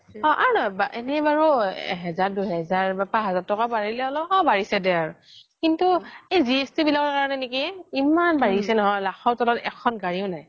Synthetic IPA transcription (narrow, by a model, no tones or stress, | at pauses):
ɔ̃ʔa̰ɹunajbaenɛbaɹṵɦɛzaɹduɦɛzaɹbɛpaɦɛzaɹtɔkabaɹilɛɔlɔɔ̃baɹisɛdɛaɹu | kintuejziestibilakɔɹkaɹɔnɛnekiimanbaɹisɛnɔɦɔjlaxɔɹtɔlɔtɛkʰɔnɡaɹiʊnaj